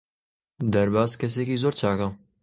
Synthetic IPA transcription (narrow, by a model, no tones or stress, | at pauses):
d̪ɐɾbaːzkɐs̬eːkiːzoːɾt͡ʃʰaːkɐ